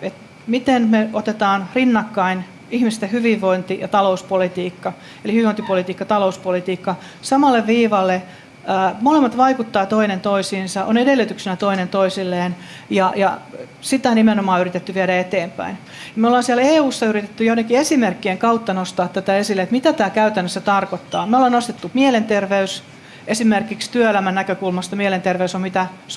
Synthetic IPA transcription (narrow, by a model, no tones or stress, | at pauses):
et̪ | mit̪enmeot̪et̪ɑːnrinːɑkːɑin | ihmist̪ehyʋiʋʋːoint̪ijɑt̪ɑlouspolit̪iːkːɑ | elihyiʋoˑnt̪ipolit̪iːkːɑt̪ɑlouspolit̪iːkːɑ | sɑmɑlːeʋʋiːʋɑlːeː | molemːɑt̪ʋɑikut̪ːɑːt̪oinent̪oisiːnsɑʔonedelːyt̪yksenæt̪oinent̪oisilːeːn | jɑjɑ | sit̪ˑæonimenomɑːyrit̪et̪ːyʋieɾæet̪eːmpæ̰in | jɑmeolːɑːnsiæleːuːsːɑyɾit̪et̪ːyjonːekːiesimerkːieŋkɑut̪ːɑnost̪ɑːt̪t̪ːæt̪æesilːet̪mit̪æt̪æːkæyt̪ænːøsːæt̪ɑrkot̪ːɑːmeolːɑnost̪et̪ːumielent̪erʋeys | ʔesimerkikst̪yøelæmænːækøkulmɑst̪ɑmielent̪erʋeysommit̪æs